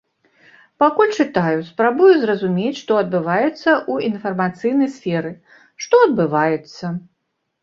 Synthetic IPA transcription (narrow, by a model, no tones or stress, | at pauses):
pakulʲt͡ʂɨt̪ajuspɾabujuzrɐzumʲet͡sʲʂt̪ɔɐd̪̚bɨvajɛt̪sːɐʔuinfɐrmat̪sɨjnɐjsfʲɛɾɨ | ʂt̪ɔɐd̪̚bɨvajɛt̪sːɐ